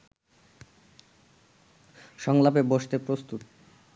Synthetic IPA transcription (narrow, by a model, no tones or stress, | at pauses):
ʃɔŋlapeboʃt̪epɾost̪ut̪